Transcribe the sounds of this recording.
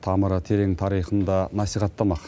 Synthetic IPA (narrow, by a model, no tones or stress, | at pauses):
t̪ʰɑməɾət̪ʰe̞ɾeŋt̪ʰɑɾijχənd̪ɑnɑsijχɑt̪ːɑmɑq